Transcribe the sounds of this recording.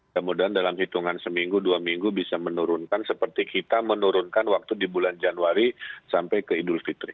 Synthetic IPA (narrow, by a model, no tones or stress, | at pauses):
kəmudaɦandalamhit̪uŋansəmiŋɡuduamiŋɡubisamənuɾʊnkansəpərt̪ikit̪amənuɾʊnkanwak̚t̪udibuland͡ʒanuaɾisampajkəidʊlfit̪ɾi